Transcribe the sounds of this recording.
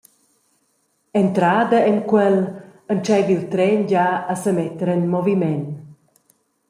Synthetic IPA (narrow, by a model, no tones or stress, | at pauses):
ɛnt̪ɾad̪əɛnkwɛlənt͡ʃɛjvilt̪ɾɛnɟaəsəmɛt̪ɾənmɔvimɛn